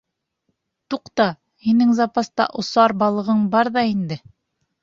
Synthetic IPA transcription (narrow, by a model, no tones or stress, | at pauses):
t̪uqt̪ɑ | hinɘŋzɑpɑst̪ɑ̰ʔŏsɑɾbɑlˠɤ̆ʁɤɴbɑɾðɑind̪ɘ